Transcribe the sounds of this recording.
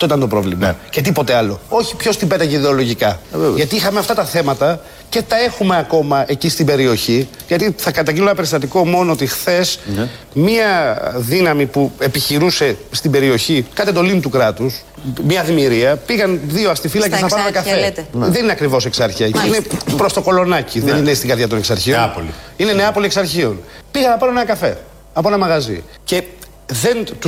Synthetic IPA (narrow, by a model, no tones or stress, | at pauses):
ɐt̪o̞it̪ɐnt̪o̞pɾo̞̰vlimɐ̰cet̪̬ipo̞t̪e̞ɐlo̞o̞çi̥pço̞st̪ibe̞t̪ɐʝeiðeo̞lo̞ʝikɐɣɐt̪iixɐmeɐft̪ɐt̪ɐθe̞mɐt̪ɐ | ce̞t̪ɐe̞xume̞ɐko̞mɐʔe̞cist̪ibe̞ɾio̞çi | ʝɐt̪iθɐkɐt̪ɐɲɟinonɐpeɾist̪ɐt̪iko̞mo̞noot̪ixθe̞s | miɐðinɐmipue̞piçiɾuse̞st̪ibe̞ɾio̞çikɐt̪ed̪o̞linut̪ukɾɐt̪us | mɲɐðimiɾiɐpiɣɐnðio̞ɐst̪ifilɐcenɐɐɾnɐkɐfeðe̞nineɐkɾivo̞seksɐɾçiɐceinepɾo̞st̪oko̞lo̞nɐciðenineist̪iŋɡɐɾðʝɐt̪oneksɐ̰ɾçiopoliineneɐpo̞lieksɐɾçio̞npiɣɐnɐpoenonenɐkɐfe̞̰ | ɐpoenɐmɐɣɐzḭ | ce̞ | ðe̞nt̪u